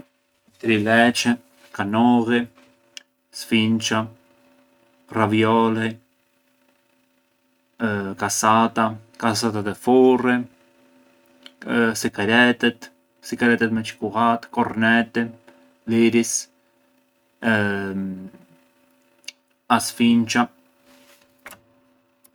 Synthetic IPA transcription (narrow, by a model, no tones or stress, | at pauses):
t̪ɾilɛt͡ʃɛ | kanɔɣi | sfint͡ʃa | ravjɔli | kasat̪akas̬at̪ad̪ɛfurɛ | sikaɾɛt̪ɛt̪ | sikaɾɛt̪ɛt̪mɛt͡ʃi̥kuɣat̪kɔɾnɛt̪ɛ | liɾis | asfint͡ʃa